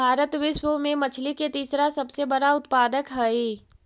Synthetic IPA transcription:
aːɾət̪ʋɪʃwəmẽmɐt͡ʃʰliket̪iːsɾasɐbsebɐɽaʊt̪paːd̪əkɦɛi

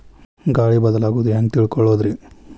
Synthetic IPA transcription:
ɡaːɽibɐd̪ɐlaːɡuʋd̪ujaːŋɡt̪iːɭkɔɭːoːd̪ɾi

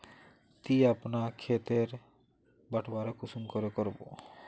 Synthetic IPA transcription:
t̪iapnakʰet̪eɾ | baʈʰbaɾokusumkoɾekoɾbo̰

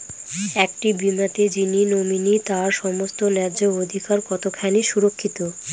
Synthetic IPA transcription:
ɛk̚ʈibimat̪ed͡ʑininominit̪aɾʃɔmost̪onɛɾd͡ʑood̪ʱikaɾkɔt̪okʰaniʃuɾokʰːit̪o

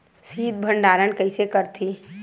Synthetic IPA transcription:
siːd̪̚bʱə̃ɳɖaːɾənkɐɪsekəɾt̪ʰi

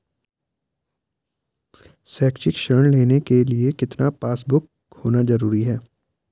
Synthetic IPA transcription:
sɛːkt͡ʃɪkʃəɾɳleːnekeliekɪt̪napaːsbʊk | hoːnazɐɾuːɾiɦɛː

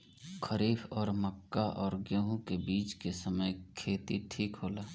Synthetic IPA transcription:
kʰəɾiːfɔːɾməkːaʔɔːɾɡeɦũkebiːt͡ʃkesəməjkʰeːt̪iʈʰiːkɦoːlaː

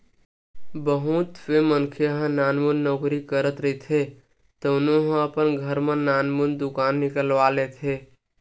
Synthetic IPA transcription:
bəɦut̪pʰemənkʰeɦə̃nanmunːɔkɾikəɾət̪ɾət̪ʰe | t̪ənoɦə̃əpənɡʱəɾmenanmund̪ukanːikəlʋalet̪ʰe

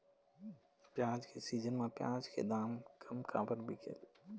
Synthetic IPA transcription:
pjãːd͡ʒkʰesiːd͡ʒənmẽpjãːd͡ʒkḛd̪aːmkʰɐmkʰã̰ːbəɾbʱikʰḛl

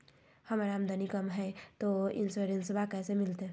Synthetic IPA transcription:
həmɾamd̪ʱənikəmɦɛt̪oɪ̰nsuɾensbʱakɛːsemɪlt̪e

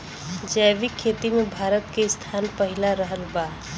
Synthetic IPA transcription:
d͡ʒɛːʋikʰːeːt̪imẽbʱaːɾət̪keɪst̪ʰaːnpəɦɪlaɾəɦəlbaː

